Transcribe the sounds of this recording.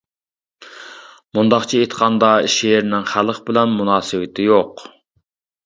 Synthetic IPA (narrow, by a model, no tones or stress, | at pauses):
mund̪ɑχt͡ʃʰiet̪qʰɑnd̪ɑʃejɾnɪŋχælˠəχbɪlɛnmunɑːsɨwɪt̪ʰɪjoq